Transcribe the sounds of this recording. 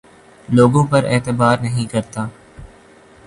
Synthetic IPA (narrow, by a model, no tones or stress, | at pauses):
loːɡõːpɐɾeːt̪əbaːɾnɐɦĩkɐɾt̪aː